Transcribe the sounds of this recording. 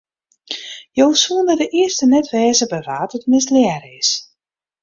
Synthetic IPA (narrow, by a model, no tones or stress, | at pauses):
jowsuəndədəʔɪəstənɛtʋɛːzəbəʋaːtətmɪsljɛɾɪs